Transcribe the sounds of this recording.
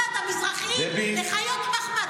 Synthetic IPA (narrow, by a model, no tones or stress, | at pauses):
at̪amizʁaχiɛbileχajot̪maχma